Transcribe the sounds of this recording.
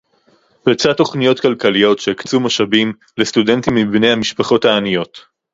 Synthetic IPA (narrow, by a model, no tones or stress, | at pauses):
bet͡satːo̞χnijo̞tkalkalijo̞tʃeikt͡sumaʃabim | lest̪udentimːibnejhamiʃpaχo̞thaːnijo̞t